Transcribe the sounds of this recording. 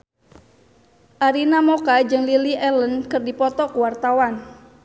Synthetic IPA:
ʔaɾinamokad͡ʒɨŋliliʔɛlənkɨrdipɔt̪ɔkuwart̪awan

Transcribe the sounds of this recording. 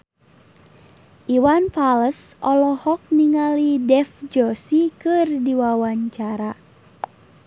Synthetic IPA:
ʔiwanfaləsɔlɔhɔk̚niŋalidɛfd͡ʒɔsikɨrdiwawaɲt͡ʃaɾa

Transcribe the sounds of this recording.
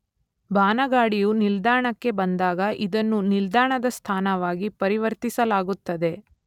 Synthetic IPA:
baːnɐɡaːɽijunild̪aːɳɐkːe̞bɐnd̪aːɡɐʔid̪ɐnːunild̪aːɳɐd̪ɐst̪ʰaːnɐʋaːɡipɐɾiʋɐɾt̪isɐlaːɡut̪ːɐd̪e̞

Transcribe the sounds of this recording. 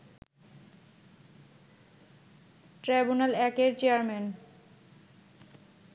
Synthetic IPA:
ʈɾajbunalɛkeɾt͡ɕeaɾmen

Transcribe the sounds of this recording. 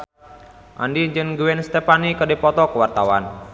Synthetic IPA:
ʔa̰ndiɲd͡ʒɨnɡuwɛnst̪ɛpanikədipɔt̪ɔkəwart̪awan

